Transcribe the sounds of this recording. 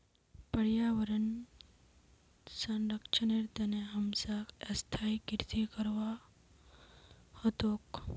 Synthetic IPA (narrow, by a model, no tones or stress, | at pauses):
pəɽjaʋəɾən | sənɾəkt͡ʃʰəneɾt̪əneɦəmsakɐst̪ʰaikiɾt̪ikəɾʋa | hot̪oːk